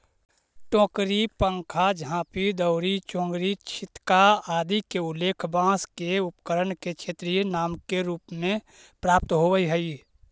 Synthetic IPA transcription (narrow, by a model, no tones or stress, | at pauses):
ʈɔ̃ːkɾipə̃ŋkʰad͡ʒəɦãpid̪əʊɾit͡ʃɔ̃ːŋɡɾit͡ʃʰɪt̪kaaːd̪ikeʊleːkʰbãːskeʊpkəɾənket͡ʃʰeːt̪ɾijenaːmkeɾuːpmẽ | pɾaːp̚t̪ɦoʋəiɦəi